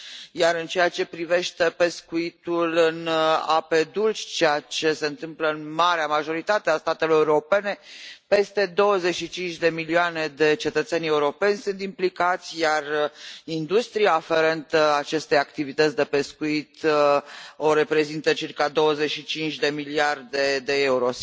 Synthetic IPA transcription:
jaɾɨnt͡ʃe̞jat͡ʃe̞pɾive̞ʃt̪e̞pe̞skuit̪ulɨna̰pe̞d̪ult͡ʃt͡ʃejat͡ʃe̞se̞ɨnt̪ɨmpləɨnmaɾeamaʒo̞ɾit̪at̪east̪at̪e̞loɾeuuɾo̞pe̞ne̞pe̞st̪e̞d̪o̞wəze̞t͡ʃʃit͡ʃint͡ʃʲd̪e̞milioane̞d̪e̞t͡ʃe̞t̪ət̪senʲe̞uɾo̞pe̞nʲsunt̪implikat̪sʲjarind̪ust̪ɾijaːfe̞ɾent̪at͡ʃe̞st̪e̞jakt̪ivit̪ət̪sʲd̪e̞pe̞skuit̪ | o̞ɾe̞pɾe̞zint̪ət͡ʃirkad̪o̞wəze̞ʃit͡ʃint͡ʃʲd̪e̞miliard̪e̞d̪e̞euɾo̞s

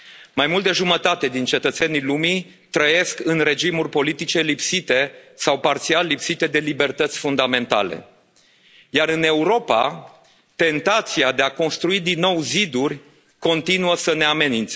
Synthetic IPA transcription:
majmult̪̚d̪eʒumət̪at̪e̞d̪int͡ʃe̞t̪ət̪se̞nilumi | t̪ɾəje̞skɨnre̞d͡ʒimurʲpo̞lit̪it͡ʃe̞lipsit̪e̞sawpart̪sialːipsit̪e̞d̪e̞libe̞rt̪ət̪sʲfund̪ame̞nt̪a̰le̞̰ | jaɾɨne̞uɾo̞pa̰ | t̪e̞nt̪at̪siad̪e̞ako̞nst̪ɾuid̪inːo̞wzid̪urʲ | ko̞nt̪inuəsəne̞ame̞nint̪se

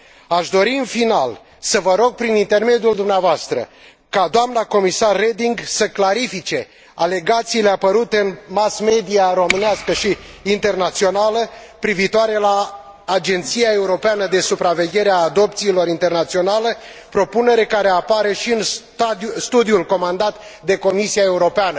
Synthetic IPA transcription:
aʃd̪o̞ɾiɨnfinal | səvəɾo̞ɡ̚pɾinint̪e̞rme̞d̪juld̪umneavoast̪ɾə̰ | kad̪oamnako̞misarːe̞d̪iŋɡsəklaɾifit͡ʃe̞ | ale̞ɡat̪siːle̞apəɾut̪e̞ɨnmasme̞d̪iaɾo̞mɨneaskəʃiːnt̪e̞rnat̪sio̞naləpɾiviːt̪oaɾe̞laː | d͡ʒe̞nt̪siae̞uɾo̞peanəd̪e̞supɾave̞ɡʲje̞ɾeaːd̪o̞p̚t̪siːlo̞ɾint̪e̞rnat̪sio̞naləpɾo̞pune̞ɾe̞kaɾe̞apaɾe̞ʃiɨn | st̪ud̪iulko̞mand̪at̪ | d̪e̞ko̞misiae̞uɾo̞peanə

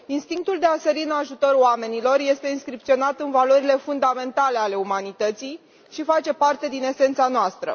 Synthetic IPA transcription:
inst̪iŋk̚t̪uld̪e̞aseɾiɨnaʒut̪o̞ɾoame̞nilo̞rje̞st̪e̞inskɾip̚t̪sio̞nat̪ɨnvalo̞ɾile̞fund̪ame̞nt̪ale̞ale̞umanit̪ət̪sij | ʃifat͡ʃe̞part̪e̞d̪ine̞se̞nt̪sanoast̪ɾə̰

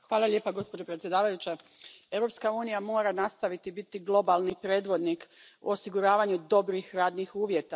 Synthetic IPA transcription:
xʋaːlˠaʎʲe̞ːpaɡo̞spo̞d͡ʒopɾet̪sʲje̞d̪aːʋajut͡ɕe | e̞wɾo̞pskauːnijamo̞ːɾanast̪aʋit̪ibit̪iɡlˠo̞balˠnipɾe̞ːd̪ʋo̞d̪nikṵosiɡuɾaːʋaɲud̪o̞bɾixɾaːd̪nixuːʋjet̪a

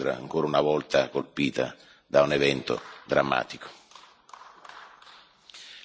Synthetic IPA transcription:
ɾa̰a̰ŋkoːɾaunavɔlt̪akolpiːt̪a̰ | d̪aunevɛnt̪o̰d̪ɾamːa̰ːt̪iko̥

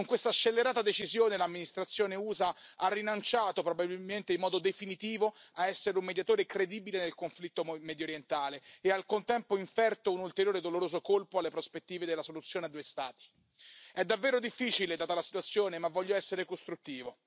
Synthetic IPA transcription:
koŋkwest̪aʃːelːeɾaːt̪ad̪et͡ʃizjoːnelamːinist̪ɾat̪sːjoːneuːzaarːinant͡ʃaːt̪opɾobabilment̪eimːɔːd̪od̪efinit̪iːvoaɛsːeɾeumːed̪jat̪oːɾekɾed̪iːbilenelkoɱflit̪ːomɛd̪joɾjent̪aːleːalkont̪ɛmpoiɱfɛrt̪ounult̪eɾjoːɾed̪oloɾoːzokolpoalːepɾospet̪ːiːved̪elːasolut̪sjoːnead̪uojst̪aːt̪i̥ | ɛd̪avːeːɾod̪ifːiːt͡ʃiled̪aːt̪alasit̪wat̪sːjoːnemavːɔʎːoɛsːeɾekost̪ɾut̪ːiːvo

